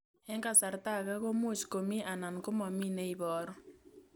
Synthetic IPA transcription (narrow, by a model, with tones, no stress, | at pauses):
ɛ˦ŋka˦˨sa˨ɾta˦˨ka˦ko˦mu˦˨t͡ʃko˨mi˦ʔa˨na˨nko˦mɔ˨mi˦ne˦i˨βɔː˦ɾɔ˦